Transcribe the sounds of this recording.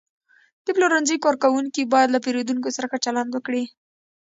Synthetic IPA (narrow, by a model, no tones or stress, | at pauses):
d̪̥əploɾanzəjkɑɾkawuŋkibɑjad̪lapeɾod̪uŋkosaɾaxat͡ʃaland̪wəkɽi